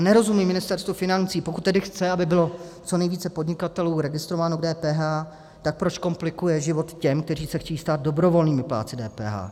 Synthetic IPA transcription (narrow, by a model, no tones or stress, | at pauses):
nɛɾo̞zumimɪnɪst̪ɛɾst̪vufɪnant͡siːpokut̪̚t̪ːɛdɪxt͡sɛabɪbɪlo̞t͡so̞nɛjviːt͡sɛpo̞dɲɪkat̪ɛluːɾɛɡɪst̪ɾovaːnoɡ̚dɛːpɛːɦaː | t̪ak̚pɾot͡ʃko̞mplɪkujɛʒɪvo̞t̪cɛmkt̪ɛr̝iːsɛxcɛjiːst̪aːd̪̚do̞bɾo̞vo̞lniːmɪpla̰ːt͡sɪdɛːpɛ̰ːɦa̰ː